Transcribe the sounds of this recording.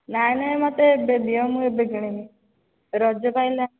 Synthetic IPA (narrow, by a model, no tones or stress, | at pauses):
najnaemɔt̪ebelijɔmuebeɡɽ̃ini | ɾɔd͡ʒɔpajla